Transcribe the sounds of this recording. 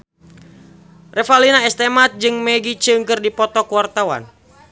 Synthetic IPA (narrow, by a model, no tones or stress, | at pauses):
rɛfalinaɛst̪ɛmat̪̚d͡ʒɨŋmɛɡit͡ʃɨŋkɨrdipɔt̪ɔkuwart̪awa̰n